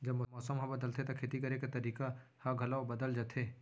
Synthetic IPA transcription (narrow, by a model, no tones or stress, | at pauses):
d͡ʒɐbmɔmɔːsəmɦɐ̃bɐd̪əlt̪ʰet̪akʰeːt̪ikɐɾekat̪ɐɾiːka | hɐɡʱɐlabɐd̪əld͡ʒat̪ʰeː